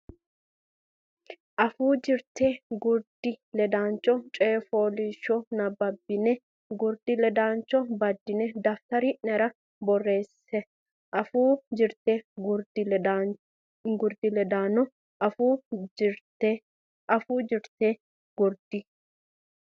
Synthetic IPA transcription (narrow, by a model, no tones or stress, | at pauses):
ʔɐfuːd͡ʒɪɾt̪eːɡʊɾd̪̥ɪlɛd̪aːnt͡ʃːɔt͡ʃʼe̞ːfoːliːʃːɔnɐbɐbːɪnɛ | ɡʊɾd̪ɪlɛd̪aːnt͡ʃːɔbɐd̪ːɪnɛd̪ɐft̪ɐɾinɛɾɐ | bɔrːe̞ːsːɛ | ʔɐfuːd͡ʒɪɾt̪eːɡʊɾd̪ɪ | ɡʊɾd̪ɪlɛd̪aːnɔ | ʔɐfuː | tː | ʔɐfuːd͡ʒɪɾt̪eː | ɡ̥ʊɾd̪̥ɪ